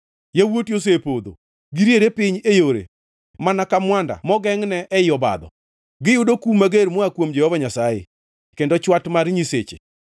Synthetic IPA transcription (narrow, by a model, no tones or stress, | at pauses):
jawotjos̬epod̪o̰ | ɡiɾjeɾepɪɲejoɾḛ | manakamwanda̰mɔɡɛŋnɛʔːjɔba̰d̪ɔ̰ | ɡɪjʊdokumaɡeɾmɔakwomd͡ʒɛhɔvaɲasajḛ | kendɔt͡ʃwatmaɾɲiset͡ʃḛ